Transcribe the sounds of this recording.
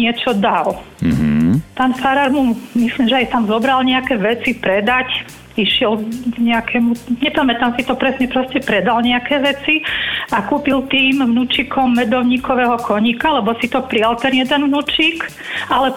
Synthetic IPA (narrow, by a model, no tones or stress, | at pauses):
ɪɛt͡ʃɔd̪al | paːnfaɾaɾmumislimʒɛajt̪amzɔbɾalɲɛakɛʋɛt͡sipɾɛd̪ac | iʃɪɛlɡ̥ɲɛakʰɛmuɲɛpamɛt̪amsit̪ɔpɾɛsɲɛpɾɔscɛpɾɛd̪alɲɛakɛːʋɛt͡siakuːpilt̪iːmʋnut͡ʃikʰɔmːɛd̪ɔʊɲiːkɔʋɛːɦɔkʰɔɲikalɛbɔsit̪ɔpɾialt̪ɛnjɛd̪ɛnʋnuːt͡ʃiːk | alɛ